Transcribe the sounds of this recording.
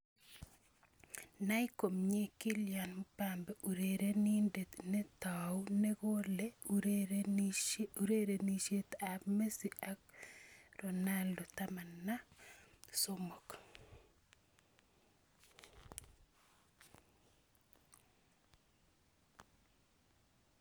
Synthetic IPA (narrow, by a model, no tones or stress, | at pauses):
naikomɲekiljanmpambɛʔuɾeɾenindet̪nɛt̪awneɡole | uɾeɾeniʃet̪abmesiʔak̚ | ronaldɔt̪amanːa | somok